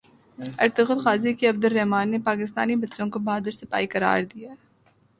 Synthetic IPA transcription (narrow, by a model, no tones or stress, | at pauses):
ɐ̰ɾt̪ɪɣʊlxaːzikeɐb̚d̪ʊlːɛɦmaːnːepaːkɪst̪a̰ːnibɐtːʃõkobaːd̪əɾsɪpa̰ːikɐɾa̰ːɾd̪ija